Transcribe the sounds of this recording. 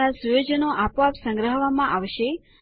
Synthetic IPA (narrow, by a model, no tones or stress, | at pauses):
asujod͡ʒənoʔapʋapsə̃ŋɡɾəɦʋamãʔaʋʃe